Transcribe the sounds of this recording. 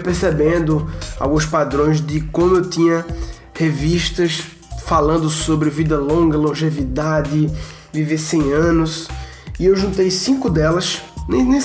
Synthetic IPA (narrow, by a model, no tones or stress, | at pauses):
pesebẽnd̪ʊa̰wɡũs̬pad̪ɾõj̃zd̪ɪkõmʊewt̪ĩɲɐ | heviʃt̪ɐs | falɐ̃nd̪ʊsobɾɪvid̪ɐlõɡɐlõʒevid̪ad̪ɪ | vivesẽj̃ɐ̃nʊs | ɪewʒũnt̪ejsĩkʊd̪ɛlɐsnẽnẽ